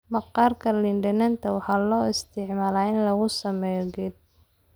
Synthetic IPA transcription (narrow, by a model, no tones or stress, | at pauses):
mɐqɑːrkʰɐlɪnɖɐnɐnt̪ʰɐwɑħɑːlɔːɪst̪ʰɪʕmaːlaːɪnlɐɣʊsɐmɛːjɔɡɪd̪̚